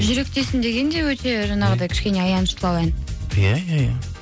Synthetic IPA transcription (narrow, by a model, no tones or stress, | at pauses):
ʒʏɾe̞k̚t̪e̞sɪnd̪e̞ɡʲe̞nd̪e̞wɵt̪ʰe̞ʒɑnɑʁəd̪ɑjkʲʰɪ̥ʃʲkʲe̞neɑjɑnəʃt̪əlˠɑlˠɑjnjajaja